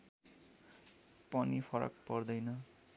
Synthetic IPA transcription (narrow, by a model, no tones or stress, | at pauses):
pʌnipʰʌɾʌ̰kpʌrd̪ʌjnʌ